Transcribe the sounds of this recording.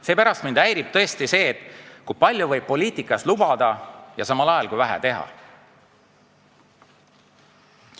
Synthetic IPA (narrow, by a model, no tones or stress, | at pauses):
se̞ːpæɾɑst̪mind̪æjɾib̥̚t̪ɤ̞est̪ise̞ːt̪ːˑkujpɑlʲjuvɤjb̚pːo̞liːt̪ˑikːˑɑslubɑd̪̥ɑjɑsɑmɑlɑjɑlkujvæɦæ̰t̪e̞ɦɑ̰